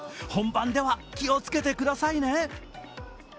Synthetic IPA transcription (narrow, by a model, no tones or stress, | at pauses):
hõ̞mbãnd̪e̞βakʲio̞t͡sɨ̥ke̞t̪e̞kɯ̟d̪asaine̞